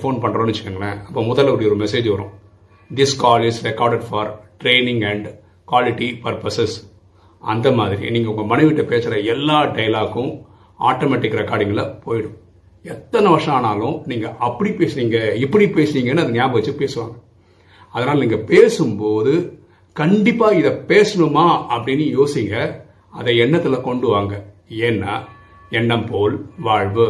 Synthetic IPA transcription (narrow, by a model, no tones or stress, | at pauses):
foːnpɐɳːɾõnɪt͡ʃːɯkːɯŋɡɐnɐɐpːoːmʊðɐlpːɐɽɐjɔɾɯmɛseːd͡ʒʋɐɾʊ̃ | d̪ɪskaːlɪsɾɛkaːɾɖɛɖfɐːɾʈɾeɪnɪ̃ŋɡɛɳɖ | kwaːlɪʈːipɐɾpɐsɛs | ʔɐ̰nd̪ɐmaːðɪɾḭniːŋɡɐʊŋɡɐmɐnɛɪʋɪʈːɐpeːsɪɾɐɛlːaːɖɐjlaːkːʊ̃ | aːʈomɛːʈːɪkːɪɾɐkaːɽɪŋɡɐɭlɐpoːjɪɽɯ̃ | ɛt̪ːɐnɐʋɐʂɐ̃aːnaːlʊ̃niːŋɡɐʔɐpːɐɽipeːsɪɾiːŋɡɐɪpːɐɽipeːsɪɾiːŋɡɐnːɯɐðɯnɪjaːbɐʋɐt͡ʃːɯpeːsɯʋa̰ːŋɡɐ | ɐðɐnaːlɐniːŋɡɐpeːsɯmpoːðɯ | kɐɳɖɪpːaːɪðɐpeːsɐɳɯmaːɐpːɐɽɪnːɯjoːsiːŋɡɐ | ɐðɐɛɳːɐt̪ːɪlɐkɔɳɖɯʋaːŋɡɐ | eːnːaː | ɛɳːɐmpoːlʋaːɻʋɯ